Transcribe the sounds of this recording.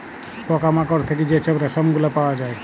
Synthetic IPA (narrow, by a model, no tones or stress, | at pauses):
pɔkamãkɔɾt̪ʰekid͡ʒet͡ʃəbɾasəmuɡlapaɔd͡ʒaj